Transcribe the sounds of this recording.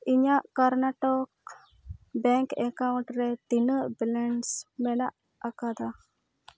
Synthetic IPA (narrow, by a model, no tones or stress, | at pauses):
iɲaʔkaɾnaʈɔk̚ | bɛŋkɛkawɳʈɾɛt̪inəʔbilɛɳsmɛnaʔ | akad̪a